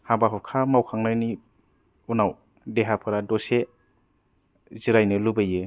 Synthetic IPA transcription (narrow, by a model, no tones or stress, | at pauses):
habaɦɔkʰamawkʰaŋnajni | unaw | deɦapʰɯɾadɔse | ziɾajnɯlubɯjɯ